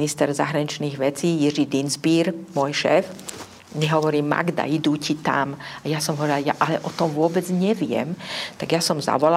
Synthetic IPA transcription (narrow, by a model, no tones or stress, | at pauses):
nist̪ɛɾza̰ɦɾaɲit͡ʃniːɣʋɛt͡siːjiʐid̪inzbiːɾmʊɔjʃɛ̰ːf | ɲɛɦɔʋɔɾiːma̰ɡd̪a̰id̪uːcit̪a̰majasɔmɦɔʋɔɾialja̰ʔalɛʔɔt̪ɔmʋʊɔbɛd͡zɲɛʋɪɛ̰mt̪aɡjasɔmza̰ʋɔla